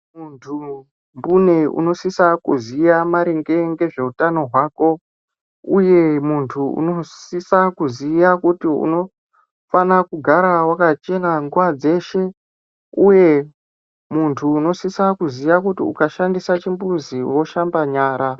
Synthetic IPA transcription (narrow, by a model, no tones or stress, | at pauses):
muntʰu | mbune̞ṵno̞sisakuziamaɾeŋɡe̞ŋɡe̞ʐe̞utano̞ɦwaːko̞ | uje̞muntʰuṵno̞ssisakuzijakutiṵno̞ | fanakuɡʱaɾawakat͡ʃe̞naŋɡuʋad͡ze̞ʃe̞ | uje̞ | muntʰuːno̞sisakuzijakutiṵkaʃandisat͡ʃimbuziwo̞ʃambaɲaːɾa